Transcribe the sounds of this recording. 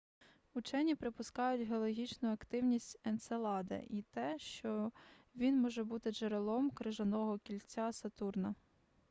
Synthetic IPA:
ʊt͡ʃɛnʲipɾɪpʊskɑjʊtʲɦeɔlˠɔɦʲit͡ʃnʊɐkt̪ɪwnʲisʲtʲɛnt̪selˠɑd̪ḛʔit̪ɛʃt͡ʃɔʋʲinmɔʒɛbut̪ɪʒeɾelˠɔmkɾɪʒɐnɔɦɔkʲilʲt͡sʲːasɐt̪urnɐ

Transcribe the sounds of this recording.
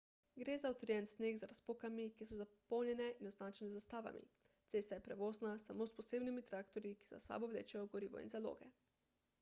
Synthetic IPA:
ɡɾeːzaut̪ɾjɛnsneːxzaɾaspokamikisɔzapɔwnʲjɛnɛʔinɔznaːt͡ʃɛnɛzast̪aːʋa̰mḭ | t̪seːst̪ajɛpɾɛʋoːznasamospɔseːbnimit̪ɾaːkt̪ɔɾjiki̥za̰sa̰ːbɔʋlḛːt͡ʃɛjɔɡɔɾiːʋɔ̰ḭnzalo̰ːɡɛ

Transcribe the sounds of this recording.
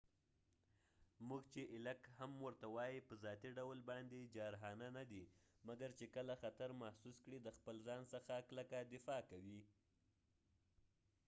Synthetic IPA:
muɡt͡ʃeʔɪlakhamwəɾt̪awɑjipəzjɑt̪iɖawlbɑnd̪ed͡ʒɑɾɦɑnanad̪imaɡaɾt͡ʃekəlaxat̪aɾmahsuskɽid̪əxpəlzɑnsəxakləkad̪ɪfɑkawi

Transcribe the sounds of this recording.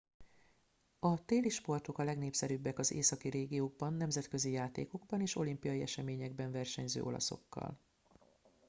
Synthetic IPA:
ɒt̪eːliʃpo̞rt̪o̞kɒlɛɡneːpsɛɾybːɛkɒzeːsɒkiɾeːɡijoːɡbɒnːɛmzɛt̪kø̞zijaːt̪ḛːko̞ɡbɒneːʃo̞limpijɒjiɛʃɛmeːɲɛɡ̚bɛɱvɛrʃɛɲzø̰ːʔo̞̰lɒ̰so̞̰kːɒ̰l

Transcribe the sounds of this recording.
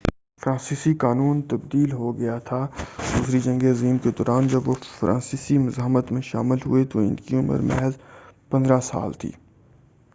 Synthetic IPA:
fɾãːsiːsikaːnuːnt̪ɐbd̪iːlɦoɡɐjat̪ʰad̪uːsɾid͡ʒɐ̃ŋɡeɐziːmked̪ɔːɾaːnd͡ʒɐbʋofɾʔã̰ːnsiːsimʊzaːɦmət̪mẽʃa̰ːmɪlɦṵet̪oɪ̰nkiʊmə̰ɾmɛ̰ɦəzpɐ̃nd̪ɾasa̰ːlt̪ʰḭː

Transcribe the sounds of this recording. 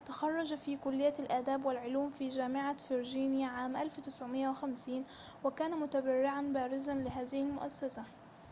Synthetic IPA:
t̪axɑrˤːɑd͡ʒafiːkʊlːɪjːalʔaːd̪aːbwɪlʕʊluːmfiːd͡ʒaːmɪʕafɪɾd͡ʒiːnjaʕaːmʔalft̪ɪsʕʊmɪʔawɪxamsiːn | wɪkaːnamʊt̪abarːɪʕanbaːɾɪzanlɪɦaːðɪhɪlmʊʔasːasa

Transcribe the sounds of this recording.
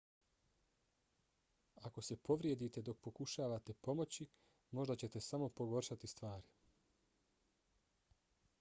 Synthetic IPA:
ako̞se̞po̞ʋɾje̞d̪it̪e̞d̪o̞k̚po̞kuʃaːʋat̪e̞po̞mo̞t͡ɕi | mo̞ʒd̪at͡ɕe̞t̪e̞samo̞po̞ɡo̞ɾʃat̪ist̪ʋaːɾi

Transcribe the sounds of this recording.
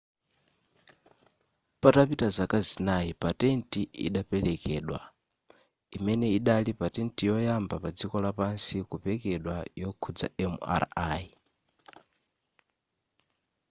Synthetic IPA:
patapitazakazinaipatɛntʼiḭɗapɛlɛkɛːɗwa̰ | imɛnɛiɗalipatɛntijɔjambapad͡zikɔlapansikupɛkɛɗwajɔkʰud͡za̰ɛma̰ɾa̰i

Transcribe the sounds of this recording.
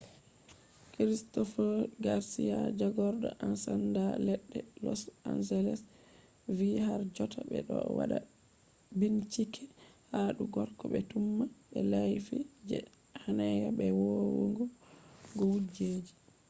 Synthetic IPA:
kɾistɔfɔɡaɾsijad͡ʒaɡɔɾdɔʔansandalɛɗːɛlɔsansɛlɛs | vihaɾd͡ʒɔtʰabɛ̰ɗɔwa̰ɗa | bint͡ʃikʰɛhaɗuɡɔɾkɔɓɛtumːaɓɛlajfid͡ʒɛ | hanɛɡabɛwowuŋɡuɡɔwud͡ʒeːd͡ʒi

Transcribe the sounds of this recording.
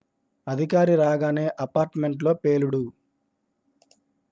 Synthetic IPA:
ɐd̪ʱikaːɾiɾaːɡaːneːʔɐpaːɾʈme̞ɳʈ̬lo̞ːpe̞ːluɽu

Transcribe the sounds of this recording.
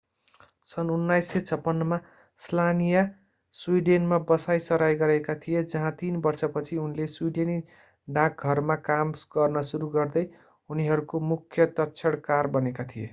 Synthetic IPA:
sʌnunːajsːet͡sʰʌpːʌnːʌma | slanija | swiɖenmabʌsajsʌɾajɡʌɾekat̪ʰijed͡zʌɦãt̪inbʌrt͡sʰʌpʌt͡sʰiunleswiɖeni | ɖãk̚ɡʱʌrmakamɡ̥ʌrnʌsuɾuɡʌrd̪ʌj | uniɦʌɾukomukʰːjʌt̪ʌtːt͡sʰʌɽkarbʌnekat̪ʰije

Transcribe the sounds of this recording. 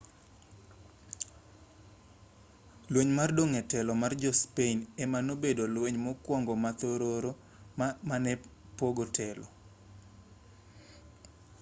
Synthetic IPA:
lweɲmardoŋɛtɛlɔmard͡ʒɔspeinɛmanobedolweɲmɔkwɔŋɡɔmat̪oɾoɾo | manɛ | poɡotʰɛlɔ

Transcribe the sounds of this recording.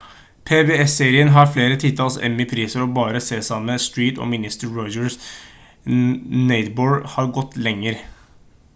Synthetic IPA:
pʰeːbeːɛseːɾɪənɦɑɾfleːɾət̪ʰɪlt̪ʰɑːlsɛ̰mːɪpʰɾiːsəɾɔbɑːɾəseːsɑməst̪ɹiːt̪ɔ̰mɪnɪst̪əɹɔʏd͡ʒəɹs | nɛɪt̪boːɹhɑːɾɡɔt̪ːlɛŋːəɾ

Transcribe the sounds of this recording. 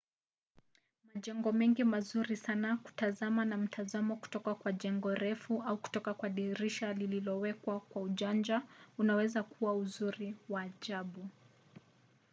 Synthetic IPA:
maʄɛŋɡɔmɛŋɡimazuɾisanaku̥tazamanam̩tʰazamɔku̥tɔkakwaʄɛŋɡɔɾɛfuauku̥tɔkakwaɗiɾiʃalililɔwɛkwakwauʄand͡ʒaunawɛzakuwauzuɾiwaːʄaɓu

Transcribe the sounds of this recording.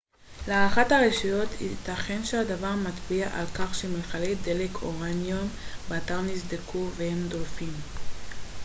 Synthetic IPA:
leaʁaχathaʁeʃijo̞tit̪aχe̞nʃehadavaʁmat̪biaʔalkaχʃemeχaled̪elekʰo̞ʁanjombeataʁnisd̪ekʰuvehemdolfim

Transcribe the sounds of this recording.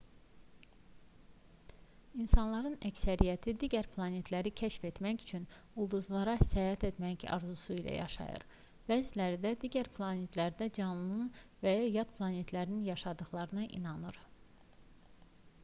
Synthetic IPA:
insɑnlˠɑɾɯnæcsæɾijæt̪ʰid̪iɟæɾpʰlˠɑne̞t̪ʰlæɾicʰæʃfe̞t̪mæcyt͡ʃʰyn | ulˠd̪uzlˠɑɾɑsæjɑt̪ʰe̞t̪mæcɑ̰ɾzusuilæ̰jɑ̰ʃɑ̰jɯ̰ɾ | bæzilæɾid̪æd̪iɟæɾpʰlˠɑne̞t̪ʰlæɾd̪æd͡ʒɑnlˠɯnɯnvæjɑjɑd̪pʰlˠɑne̞t̪ʰlæɾininjɑʃɑd̪ɯχlˠɑɾɯnɑʔḭnɑnɯɾ

